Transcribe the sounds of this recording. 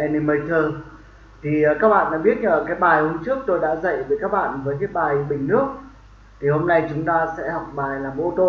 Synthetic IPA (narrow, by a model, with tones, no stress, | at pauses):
ʔɛ˧ni˧mə˧jt̪ʰəː˧˩ | t̪ʰi˨˩˨kaː˦˥k̚ɓa̰ː˧˨nɗa̰ː˧˥ɓi˦˥ət̚ŋəː˧˨˩kaː˨˦jɓaː˨˩jhʊ˧˦ŋ͡mt͡ɕɨ˦˥ək̚t̪o˧jɗa̰ː˧˥zə̰˧˨jvəː˨˩kaː˦˥k̚ɓa̰ː˧˨nvəː˨˦jkaː˨˦jɓaː˨˩jɓï˧˩˨ŋ̟nɨ˦˥ək̚ | t̪ʰi˨˩ho˧mna˧jt͡ɕʊ˨˦ŋ͡mt̪aː˧sɛ̰˧˥hɔ˨˩wk͡p̚ɓaː˨˩jlaː˨˩mʔo˧t̪o˧